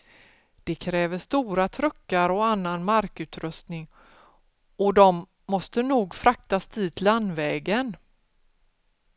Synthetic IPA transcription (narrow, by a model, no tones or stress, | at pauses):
d̪̥ɛkʰɾɛːvəʂt̪uːɾat̪ʰɾɵkːaɾɔanːanmaɾkʉ̟ːt̪ɾɵst̪nɪŋ | ɔd̪ɔmː | ɔst̪ənuːɡfɾʔak̚t̪asd̪iːt̪ʰland̪vɛːɡən